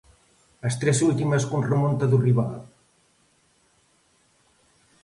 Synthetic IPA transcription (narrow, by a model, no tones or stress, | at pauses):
əst̪ɾɛsult̪iməskunrəmont̪ɐðuriβa̰l